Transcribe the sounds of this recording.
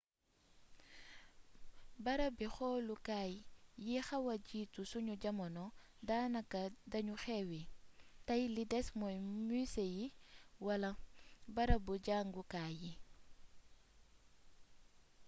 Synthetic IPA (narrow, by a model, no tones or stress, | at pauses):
bɐɾɐbixɔlukaːjːixɐwɐɟiːtusuɲuɟɐmɔnɔ | daːnɐkɐdɐɲuxɛwitɐjlidɛsmɔjmysejiwɐlɐbɐɾɐbuɟaːŋɡukaːji